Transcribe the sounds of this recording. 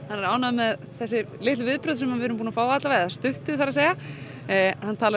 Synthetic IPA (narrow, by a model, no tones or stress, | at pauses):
hanːɛɾaːwnaðʏmːɛð | θɛsːɪ | lɪht̪lvɪðpɾœðsɛmːavɪːɾʏmpuːnafaːwat̪lavaɛðast̪ʏht̪ʏθaɾaseːja | hanːt̪ʰaːl